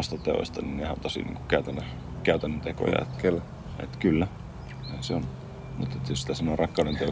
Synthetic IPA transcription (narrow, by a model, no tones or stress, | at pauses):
ɑst̪ɑt̪eo̰sʲt̪ɑninnehænt̪osḭnḭːŋku̥kæyt̪ænːø | kæyt̪ænːøt̪eko̰jɑ̰ḛt̪kel | ḛt̪kylːæ | eseon | mṵt̪et̪josi̥t̪æsemonerɑkːɑˑunent̪eo